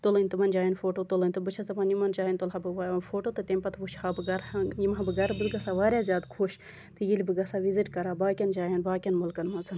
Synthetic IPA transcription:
t̪olɨnʲt̪ɨmɐnd͡ʒaːjɐnfoːʈot̪olɨnʲt̪ɨbɨt͡ʃʰɐsɐpanjimɐnd͡ʒaːjinʲt̪olɦabɨfoːʈot̪ɨt̪emʲpɐt̪ʰbuʃhaːbɨɡɐɾjimabɨɡɐɾbɨd̪ɡɐsaʋaːɾʲjaːzjaːd̪kʰoːʃ | t̪ɨjilʲbɨɡɐsaːʋiziʈkɐɾaːbaːkʲɐnd͡ʒaːjɐnbaːkʲɐnmulkɐnmɐzɐn

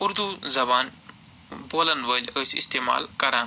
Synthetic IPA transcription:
uɾd̪uzɐbaːn | boːlənʋəlʲəsḭst̪eːma̰ːlkɐɾaːn

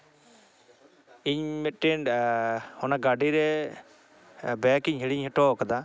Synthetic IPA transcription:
iɲmɛt̪̚ʈɛn | hɔnaɡaɖiɾɛ | bɛkiɲɦiɽiɲhɛʈɔkad̪a

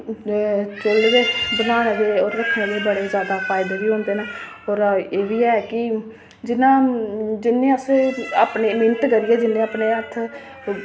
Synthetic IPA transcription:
t͡ʃəlɡeːbənaːnd̪eːɔːɾːəkʰnẽːd̪eːbəɽeːzjaːd̪aːfʰaːɪd̪eːʋiːɦõːnd̪eːnaː | ɔːɾeːʋiːɛːkɪ | d͡ʒɪnãːd͡ʒɪnːẽːəseaːpneːmɪnət̪kəɾɪjeːd͡ʒɪnːẽːaːpneːət̪ʰ

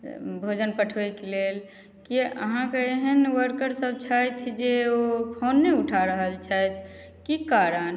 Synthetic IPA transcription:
bʱod͡ʒənpəʈʰʋɛkelel | kiə̰ɦãkeeɦənwəɾkəɾsəb̚t͡ʃʰajt̪ʰd͡ʒeopʰonːeuʈʰaɾəɦəlt͡ʃʰat̪ʰ | kikaɾən

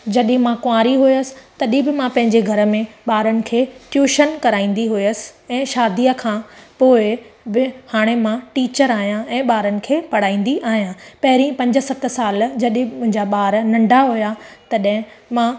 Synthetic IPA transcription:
d͡ʑɐɗɪ̃mãkʊãːɾiɦujəsɪ̥̆t̪ɐɗĩbɪmãpɐ̃ɦɪ̃ɲd͡ʑeɡʱɐɾə̆mẽɓaːɾənɪ̆kʰeːʈjuːʃənkɐɾaːĩːn̆d̪iɦʊiəsɪ̥̆ɛ̃ːʃaːd̪ijəkʰãːpoːɪbɪhaːɽ̃emãʈiːt͡ɕəɾaːɦijãɛ̃ːɓaːɾənɪ̆kʰeːpɐɽ̤aːĩːnd̪iʔaːɦijãpɐɦɪɾĩpɐ̃ɲd͡ʑə̆sɐt̪saːld͡ʑɐɗɪ̃mʊ̃ɦɪ̃ɲd͡ʑaɓaːɾnɐ̃ɳɖʱaɦujat̪ɐɗɦɪ̃mã

